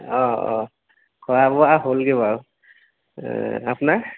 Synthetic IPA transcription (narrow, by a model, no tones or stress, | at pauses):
ɔ̰ | kʰɔabɔaɦolɡɛbaw | apʊnaɹ